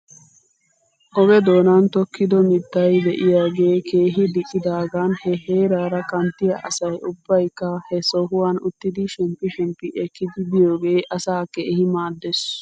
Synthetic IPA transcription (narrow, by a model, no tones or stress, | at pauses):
ʔɔbɛd̪o̞ːnant̪ɔkːɪd̪ɔmɪt̪ːɐjd̪ɛʔɪjaːɡe̞ːke̞ːɦɪd̪ɪkʼːɪd̪aːɡaːnhɛheːɾaːɾɐkɐnt̪ːɪjɐʔɐ̰sɐjʊb̥ːɐjkːɐhɛsɔɦʊwaːnʊt̪ːɪd̪ɪʃɛmpːɪʃɛmpːɪʔɛkːɪd̪ɪbɪjoːɡe̞ːʔɐsaːkːɛhɪmaːd̪ːɛs